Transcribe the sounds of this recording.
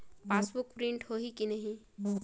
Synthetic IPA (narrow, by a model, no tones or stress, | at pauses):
paːsbʊkpɾɪ̃ɳʈhoɦikinɐɦĩ